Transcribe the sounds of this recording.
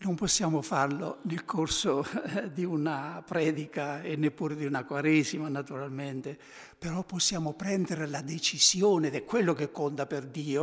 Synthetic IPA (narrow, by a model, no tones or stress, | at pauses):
nomposːjaːmofarlo̰nelkʰorsod̪iunapɾɛːd̪ikaenːepːuːɾed̪iunakwaɾezimanat̪uɾalment̪e | peɾɔpːosːjaːmopɾɛnd̪eɾelad̪et͡ʃiz̥joːned̪ɛkːwelːokekːont̪aperd̪iːo